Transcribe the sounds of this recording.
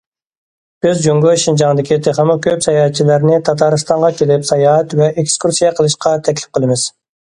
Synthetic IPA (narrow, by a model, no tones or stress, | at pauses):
b̥ɪzd͡ʒøŋɡøʃind͡ʒɑŋd̪ɪkʲʰit̪ʰeχəmɨkʲʰøpsɑjɑɛt̪̚t͡ʃʰilɪɾnɪt̪ʰɑt̪ʰɑɾɨst̪ɑɴʁɑkʲʰelɪpsɑjɑɛt̪vɛʔekskuɾsijɑqʰəlˠɨʃqʰɑt̪ʰɛkʲlɪ̥p̚qʰəlˠɨmɪz̥